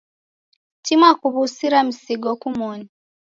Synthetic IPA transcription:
timwakuβusiɾamisiɡokumoni

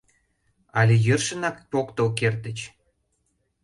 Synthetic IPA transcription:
ɑlʲejərʃə̆nɑk̚pokt̪olk̬ert̪ə̆t͡ɕ

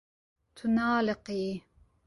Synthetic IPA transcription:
t̪ʰunɑːlɪqiː

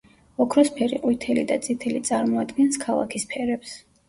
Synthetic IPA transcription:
ɔkʰɾɔspʰɛɾḭqʼwit̪ʰɛlid̪at̪sʼit̪ʰɛlit̪sʼaɾmɔad̪ɡɛnskʰalˠa̰kʰispʰɛɾɛps

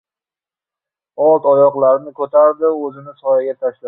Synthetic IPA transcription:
ɒlˠt̪ɒjɒqlˠaɾnɪkʰɵt̪ʰaɾd̪ɪɵzɪnɪt̪ʰɒjaɡʲat̪ʰaʃla

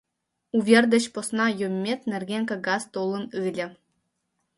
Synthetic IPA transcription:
uvʲerd̪ə̆ɕposnɑjomʲːet̪nĕrɡʲeŋkɤ̆ɡɑzt̪olˠə̆nɨlʲɘ̆

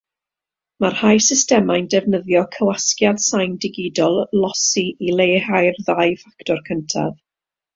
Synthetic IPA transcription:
marhajsɪstɛmajndɛvnəðjɔkʰəwaskjad̥sajndɪɡɪdɔlˠlɔsiilˠejhajrðajfaktɔrkʰəntʰa̰ð

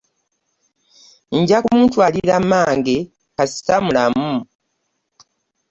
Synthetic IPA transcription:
ɲɟakumuːntwaliɾamaːŋɡe | kasi̥tamulamu

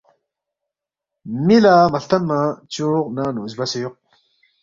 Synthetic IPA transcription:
milaːmɐɬt̪ɐnmat͡ɕuːqnaːnuzbɐsejuq̚

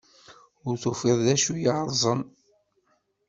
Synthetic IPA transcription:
ʊɾθufeðˤðæʃujəɾˤzˤən

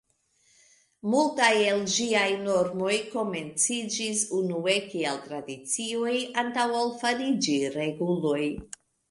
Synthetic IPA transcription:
multaje̞lʒiajno̞ɾmo̞jko̞me̞nt͡sid͡ʒisunue̞kieltɾadit͡sio̞jantawalfaɾid͡ʒiɾe̞ɡulo̞j

